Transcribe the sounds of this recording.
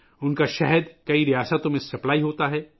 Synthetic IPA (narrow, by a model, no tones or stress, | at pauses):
ʊnkaʃɛɦəd̪kɐiɾijaːsət̪õmẽsɐplaːiɦoːt̪aɦɛː